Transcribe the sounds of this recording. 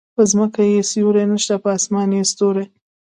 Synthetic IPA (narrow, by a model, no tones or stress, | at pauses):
pəzməkajesjuɾenəʃt̪apəɑsmɑnest̪oɾe